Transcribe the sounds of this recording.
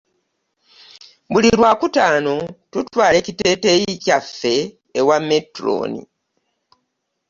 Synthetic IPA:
βulilwaːkutaːno̞tutwaːle̞ːcite̞ːte̞jicafːe̞ː | wamːetɾo̰ːnḭ

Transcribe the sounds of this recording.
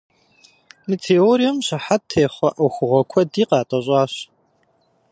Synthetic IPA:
mitʰeːoːɾijɐmɕɐħatʰːeːχʷɐʔuxʷʊʁʷɐkʷʰɔdiːqɑːtʼɐɕʼɑːɕ

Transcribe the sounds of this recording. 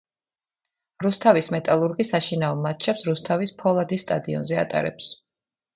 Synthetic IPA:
ɾust̪ʰavismɛt̪ʼalˠuɾɡisaʃinaɔmːat̪̚t͡ʃʰɛpsɾust̪ʰavispʰɔlˠad̪ist̪ʼad̪iɔ̰nzɛa̰t̪ʼa̰ɾɛ̰ps

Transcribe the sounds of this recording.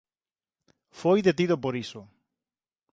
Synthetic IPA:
fojðet̪iðopoɾiso

